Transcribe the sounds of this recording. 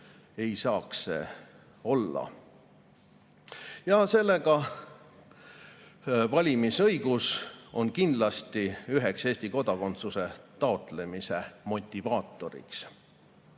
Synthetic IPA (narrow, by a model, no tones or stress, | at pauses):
e̞jsɑːksḛ | o̞lːɑ̰ | jɑse̞lːe̞ɡɑ | vɑlʲimisɤjɡ̥uso̞̰nkind̪lɑst̪iyɦe̞kseːsʲt̪iko̞d̪ɑko̞nt̪suse̞t̪ɑo̞t̪ˑle̞mise̞mo̞t̪ʲːˑivɑːt̪ːˑo̞ɾḭks